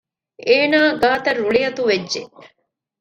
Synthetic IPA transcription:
eːnaːɡaːt̪ɐrːuɭijɐt̪uʋedːʒe

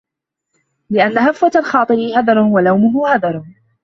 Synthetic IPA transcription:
lɪʔanːaɦafːat̪alxɑːt̪ˤɨɾɪhad̪ˤɑɾˤwalawmʊɦʊhad̪ˤɑɾˤ

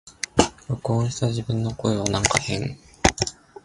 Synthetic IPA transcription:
ɯkõːɕtaʑibɯ̟̃nːo̞ko̞eβ̞anãŋkahẽŋ

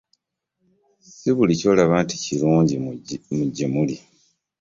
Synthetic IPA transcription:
siβulico̞ːlaβaːnti̥ciluːɲɟimuɟimuli

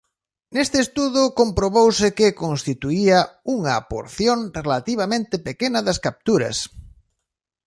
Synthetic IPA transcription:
nest̪ɪːst̪uðʊkompɾoβowsɪkɪkonst̪it̪uiɐuŋɐpo̰ɾθjoŋrelat̪iβ̞amẽnt̪ɪpekenɐðɐskap̚t̪uɾɐ̰s

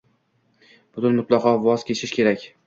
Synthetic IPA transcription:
b̥ʊt̪ʊnmʊt̪lˠɑqʰɒvɒz̥kʲʰe̞t͡ʃʰɪʃkʲʰe̞ɾakʲ

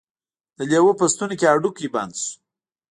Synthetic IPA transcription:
d̪̥əlewopəst̪unekʲeaɖukjiba̰nd̪su̥

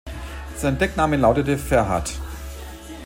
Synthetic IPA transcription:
z̥aɪnd̥ɛknaːməlaʊtətəfɛɐɦa̰t

